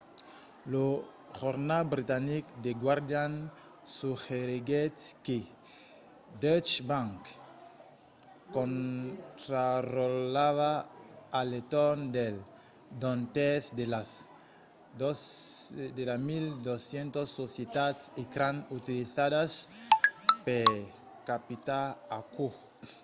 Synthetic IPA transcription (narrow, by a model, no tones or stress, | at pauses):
lo | xoɾnalbɾit̪anikd̪eɡwaɾd̪jan | suxeɾiɡet̪ke | d̪ɔt͡ʃbãŋk | kːõnt̪ɾarolaβaː | let̪ond̪el | d̪õnt̪esd̪elas | d̪osd̪elamild̪osjent̪osːosjet̪at̪sikɾãnut̪iliθaðas | pe | kapit̪aaku